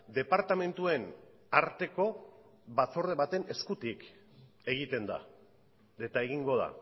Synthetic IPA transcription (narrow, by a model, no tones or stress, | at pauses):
d̪e̞paɾt̪ame̞nt̪ue̞n | aɾt̪e̞ko̞βat͡so̞ɾðe̞βat̪e̞ne̞skut̪ik | e̞ɣ̞it̪e̞nd̪a̰ | et̪ae̞ɣiŋɡo̞ð̞a̰